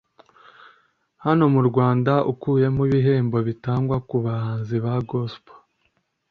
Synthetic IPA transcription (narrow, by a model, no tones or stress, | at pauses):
hano̞muɾɡwaːndaʔukuːje̞muβiɦe̞ːmbo̞βitaːŋɡwakuβahaːnziβaɡospo̥